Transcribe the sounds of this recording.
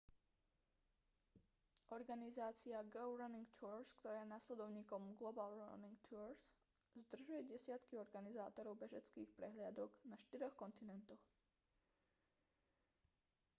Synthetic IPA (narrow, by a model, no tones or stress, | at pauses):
ʔɔɾɡanizaːt͡siaɡɛʊɾaniŋɡt̪ʰuɾskt̪ɔɾaːjɛnaslɛd̪ɔʊɲiːkɔmɡlɔbalɾa̰niŋɡt̪ʰuɾs | zd̪r̩ʒujɛɟɛsɪat̪kiɔɾɡanizaːt̪ɔɾɔʊbɛʒɛt͡skiːxpɾɛɦlɪad̪ɔɡnaʃt̪iɾɔxkɔnt̪inɛnt̪ɔx